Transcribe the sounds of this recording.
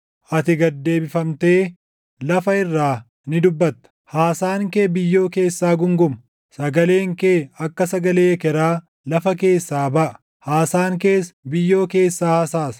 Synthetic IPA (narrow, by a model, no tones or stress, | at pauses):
ʔɐt̪ɪɡɐd̪ːe̞ːbɪfɐmt̪e̞ː | lɐfɐɪrːaː | nɪd̪ʊbːɐt̪ːɐ̥haːsaːŋkeːbɪjːo̞ːke̞ːsːaːɡʊŋɡʊmɐ̥ | sɐɡɐle̞ːŋkeːɐkːɐsɐɡɐleːkɛɾaː | lɐfɐke̞ːsːaːbɐʔɐ̥ | haːsaːŋke̞ːsbɪjːo̞ːke̞ːsːaːhɐsaːs